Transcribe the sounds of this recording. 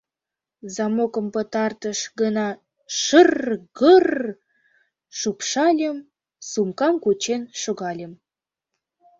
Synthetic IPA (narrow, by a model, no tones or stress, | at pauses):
zɑmokə̆mpət̪ɑrt̪əʃɡənɑ | ʃərɣər | ʃupʃɑlʲəm | sumkɑmkut͡ɕenʃoɣɑlʲəm